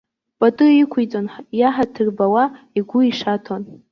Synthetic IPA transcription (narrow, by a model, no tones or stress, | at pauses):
pʼatʼɨikʷʰijt͡sʼonħjaħatʰɨrbawa | iɡʷʊiʂatʰon